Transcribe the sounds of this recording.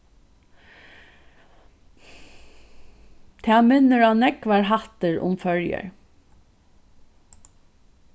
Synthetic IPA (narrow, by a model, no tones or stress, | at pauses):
t̪ʰæːmʏnːəɹaːnɛkʋɑːɹɦɑt̪əɹʊ̰mfœɹjə̰ɹ